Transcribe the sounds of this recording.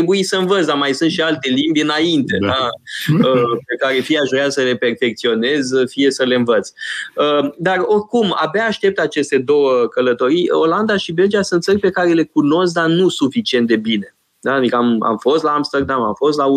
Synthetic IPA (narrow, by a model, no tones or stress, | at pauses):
ebuisəɨnvət̪sd̪amajsɨnt̪ʃialt̪e̞limbʲɨnaint̪e̞d̪aəpekaɾe̞fijeaʃoeasəle̞pe̞rfe̞k̚t̪sio̞ne̞zfije̞səleɨnvət̪səd̪aro̞rkuma̰baːʃt̪e̞p̚t̪at͡ʃe̞st̪e̞d̪o̞wəkələt̪o̞ɾijoland̪aʃibeld͡ʒiasɨnt̪sərʲpe̞kaɾe̞le̞kuno̞sk̚d̪anusufit͡ʃie̞nt̪̚d̪e̞bine̞ | d̪aːd̪ikəama̰mfo̞st̪laːmst̪ərd̪amamfo̞st̪lau